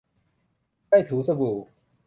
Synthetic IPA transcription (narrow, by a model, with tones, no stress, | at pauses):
a˥˩jt̪ʰu˨˦sə˥˧buː˨˩